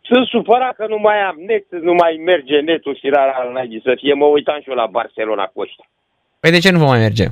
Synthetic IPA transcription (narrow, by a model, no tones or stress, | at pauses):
sɨsupəɾakənumajamnesɨnumajmerd͡ʒenet̪ofiɾaɾaɾɨnajbisəfieməujt̪anʃolaba̰rselona̰koʃt̪ḁ | pəjd̪e̞t͡ʃe̞nuvomːajme̞rd͡ʒḛ